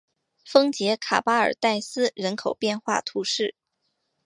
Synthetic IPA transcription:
fɤ˥ŋt͡ɕjɛ˧˥kʰa̰˨˩pa˥ə̰˞˨˩t̪a˥˩ɪsɹ̩˥ɻə˧˥nkʰo˨˩ʊpjɛ˥˧nxwa̰˥˩t̪ʰu˧˥ʂɻ̩˥˩

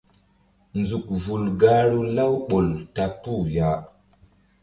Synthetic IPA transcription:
nzu˨k̚vu˨lɡa˦ɾu˦la˦wɓo˨lta˨pu˦ja˨

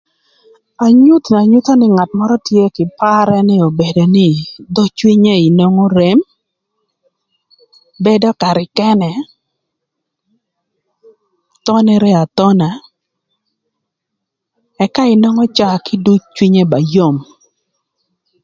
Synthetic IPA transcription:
a˨ɲu˦t̪n˨a˨ɲu˦t̪o˦nɪ˦ŋa˨tmɔ˦ɾɔ˦tje˦kɪ˨pa˦ɾɛ˦nɪ˦o˨be˨do˨nɪ˦d̪ɔ˦t͡ʃwi˦ɲe˦i˨no˦ŋo˦ɾe˨m | be˦dɔ˦ka˨ɾɪ˨kɛ˦nɛ˨ | t̪ɔ˦nɛ˦ɾɛ˦a˨t̪ɔ˦na˨ | ɛ˦ka˦ɪ˨no˦ŋɔ˦t͡ʃa˦kɪ˦du˦t̚t͡ʃwi˦ɲe˦ba˨jo˦˨m

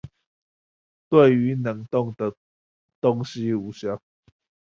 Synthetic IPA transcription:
t̪we˥˨ɪy˨˦nə˨˩ŋt̪ɔ˥˨ŋt̪ə˨ | t̪ɔ˦ŋɕi˦u˨˦ɕja˦

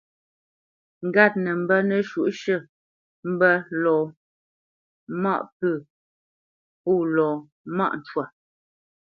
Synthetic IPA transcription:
ŋ̩˨ɡa˦˨t̚nə˨m̩˦bə˦nə˨ʃu˨ʔʃə˦˨ | m̩˦bə˦lɔː˨ | ma̰˦˨ʔpə˦˨ | pu˦˨lɔː˨ | ma̰˦ʔn˨t͡ʃwa˨

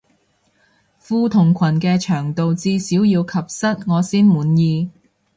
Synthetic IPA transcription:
fuː˧t̪ʰʊ˨˩ŋkʷʰɐ˨˩nkɛː˧t͡ʃʰœː˨˩ŋt̪o˨wt͡siː˧siː˨˥wjiː˧wkʰɐ˨p̚sɐ˥t̚ŋɔː˨˧siː˥nmuː˨˥njiː˧

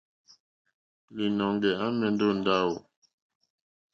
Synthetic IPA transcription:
li˨nɔ˨ŋ˦ɡɛ˨a˦mɛ˨n̩˦do˦˨n̩˦da˦wo˨

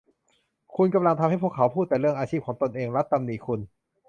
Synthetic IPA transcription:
kʰu˧nka˧mla˧ŋt̪ʰa˧mha˥˩jpʰu˥˩əkʰːa˩˦wpʰuː˥˩t̪̚ːɛː˨˩ɾɯ˥˩əŋʔaː˧t͡ɕʰi˥˩p̚kʰɔː˩˦ŋt̪o˧nʔeː˧ŋɾa˦˥t̪ːa˧mniː˨˩˦kʰu˧n

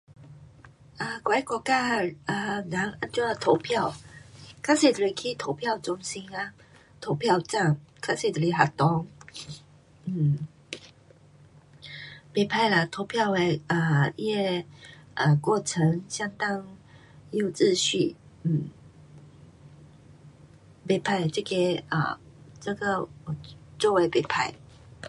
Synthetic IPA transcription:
ʔə˧˩kwa˨˦i˥kwɔ˨˩ka˥˧ʔə˧˩na˨˦ŋʔa˧˥nt͡ɕwɔ˥˧˩a˨˧t̪ʰo˧˦ʊpʰja˥˨ʊkʰa˥se˨˩t̪ə˨li˨˩kʰi˥˨t̪ʰo˧˦ʊpʰja˥˧ʊt͡sʊ˧˥ŋɕi˦na˧ | t̪ʰo˧˦ʊpʰja˥˧ʊt͡sa˥˩ŋkʰa˥se˨˩t̪ə˨li˨˧˩ɦa˨˩t̪ɔ˧˦ŋ | n̩˥˩ | pe˥˩pʰa˥˧ɪlə˨t̪ʰo˧˥ʊpʰjɑ˥˧ʊwe˧˥ɪə˨˩˧jɛ˥˩ʔə˨kwɔ˥˩t͡sʰə˧˦ŋɕja˥ŋt̪ɑ˥ŋ | jo˥˧ʊt͡sɹ̩˥˧ɕy˥˩ | n̩˥˩ | pe˥˩pʰa˥˩ɪt͡ɕə˥˧˩kɛ˥ə̰˨˩t͡sə˥˧ɡə˨ɔ˨˩t͡swɔ˥˩we˧˥ɪpe˥˩pʰa˥˩ɪ

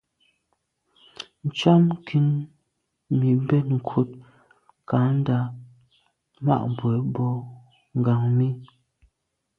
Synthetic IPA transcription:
n̩˨t͡ʃa˦mkʰi˦n | mi˨bɛ˦t̚ŋ̩˨kʰu˦t̚ | ka˨˦n̩˦da˨˦ | ma̰˦˨ʔbwɛ˨˦bɔ˦ | ŋ̩˨ɡa˨ŋmi˦

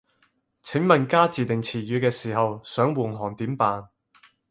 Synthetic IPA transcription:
t͡sʰɪ˨˥ŋmɐ˨˩nkaː˥t͡siː˨˩t̪ɪ˨ŋt͡sʰiː˨˩jyː˨˧kɛː˧siː˨˩hɐ˨wsœː˨˥ŋwuː˨˩nɦɔː˨˩nt̪iː˨˥mpaː˨˧n

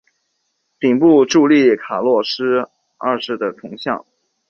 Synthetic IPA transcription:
pi˨˩ŋpu˥˧ʈ͡ʂu˥˧li˥˩kʰa˨˩lwɔ˥˩ʂɻ̩˥ | ə̰˥˧ʂɻ̩˥˩d̪ə˩t̪ʰʊ˧˥ŋɕjɑ̰˥˩ŋ

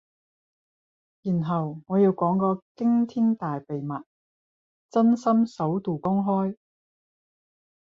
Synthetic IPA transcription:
jiː˨˩nɦɐ˨wŋɔː˨˧jiː˨˧wkɔː˨˥ŋkɔː˧kɪ˥ŋt̪ʰiː˥nt̪aː˨jpe˨jmɐ˨t̚ | t͡sɐ˥nsɐ˥msɐ˨˥wt̪uː˨˩kʊ˥ŋɦɔː˥j

